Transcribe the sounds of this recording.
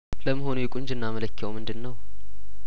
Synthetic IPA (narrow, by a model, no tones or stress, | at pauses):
ləmːəɦo̞nujɪkʼuɲd͡ʒɨnːamələkʰːəwmɨnd̪ɨnːəw